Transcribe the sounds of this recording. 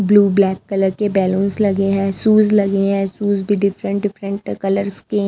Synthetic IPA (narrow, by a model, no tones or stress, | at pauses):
bluːblɛːkːɐləɾkebɛːlõːnslɐɡeɦɛ̃ːsuːzlɐɡeɦɛ̃suːzbʱiɖɪfɾə̃ɳʈ̚ɖɪfɾə̃ɳʈkɐləɾske